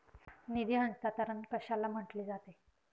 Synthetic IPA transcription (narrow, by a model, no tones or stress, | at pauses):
nid̪iːɦə̃nst̪at̪əɾənkəɕalːam̤əʈliːd͡zat̪e